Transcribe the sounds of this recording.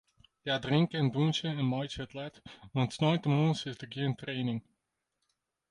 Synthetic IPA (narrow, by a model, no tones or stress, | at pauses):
jaːdrɪŋkəɛndunt͡ʃəɛnmɔjt͡ʃəətlɛtʋɑntsnɔjntəmonsɪsdəɡiəntrejnɪŋ